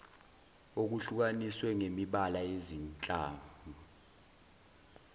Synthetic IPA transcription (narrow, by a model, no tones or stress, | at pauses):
ok̬uɬuk̬aniswɛŋemiɓalaezint͡ɬʼa̰ːmu